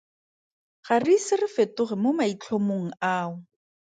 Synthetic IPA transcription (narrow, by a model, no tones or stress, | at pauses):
χarisɪrɪfetʊχɪmomait͡ɬʰomoŋ̩aːʊ